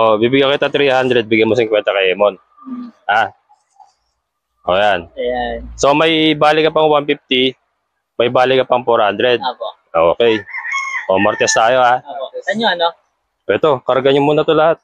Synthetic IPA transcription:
ʔobibɪɡjakɪt̪at̪ɾihand̪ɾɛd̪̚bɪɡjɐnmos̬ɪŋkwɛnt̪ɐkɐjhɛːmon | ha | ʔo̰ːjanasomɐjbaːlɪkɐpɐŋwanpift̪ɪ | mɐjbaːlɪkɐpɐŋpoɾhand̪ɾɛd̪̚o | ʔoːkɛjʔomɐɾt̪ɛst̪aːjo̞haoɐɲoɐno | pɛt̪o̞kɐɾɡaɲʊmuːnɐt̪olɐhat̪̚

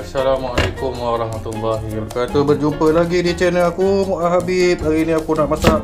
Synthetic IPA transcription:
asalamaʔalekʊmwaɾɑɦmat̪ulːaɦibəkat̪ubərd͡ʒumpəlaɡidit͡ʃɛnəakumuʔaɦabip̚aɾiniakunaʔmasaʔ

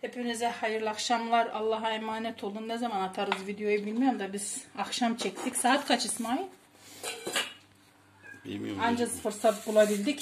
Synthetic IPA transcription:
hepʰinizɛhajɯɾlʲˠaxʃamlˠaɾalˠːaɦemaːnɛt̪ʰolˠunːɛzamanat̪ʰaɾɯzvid̪ejo̞jubilʲmijomd̪abiz̥axʃamt͡ʃʰɛct̪ʰicsaːt̪kʰat͡ʃʰɯsmaj | and͡ʒasfɯɾsat̪̚bulˠabilʲd̪ic

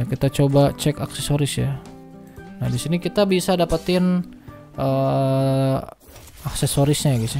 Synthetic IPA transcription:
kit̪at͡ʃobat͡ʃɛkaksesoɾɪsja̰ | nahdisinikit̪abisadapat̪ɪn | ʔə | aksesoɾɪsɲaɡis

